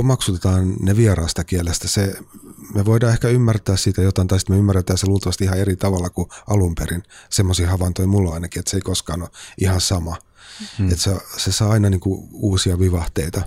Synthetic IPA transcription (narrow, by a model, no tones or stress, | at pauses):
omɑksut̪et̪ɑːnneʋierɑˑːst̪ɑkielest̪æsemeʋoidɑːehkæymːært̪æːssit̪æjot̪ɑint̪ɑisi̥t̪meymːæret̪æːseluːlt̪ɑʋɑst̪ihɑeɾit̪ɑʋɑlːɑkuʔɑlumperinsemːosiːhɑʋɑnt̪oimulːoɑinɑkiet̪seikoskɑːnoʔihɑsɑmɑ | et̪sesesɑːɑinɑniːŋkuuːsiɑʋiʋɑht̪eit̪ɑ